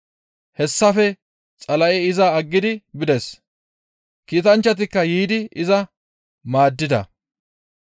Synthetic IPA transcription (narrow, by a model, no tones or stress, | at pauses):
hɛsːɐfɛ | t͡sʼɐlɐʔɛɪzɐːɡːɪd̪ɪbɪd̪ɛs | kiːt̪ɐnt͡ʃːɐt̪̬ɪkːɐjiːd̪ɪʔɪzɐ | maːd̪ːɪd̪ɐ̰